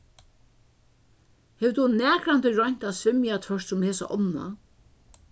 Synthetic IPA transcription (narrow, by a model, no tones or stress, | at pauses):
hɛːvt̪unɛːkɾant̪ɪɹɔɲ̥t̪asʋɪmjat̪ʰvœʂt̪sʊmheːsa̰ʔɔ̰nːa̰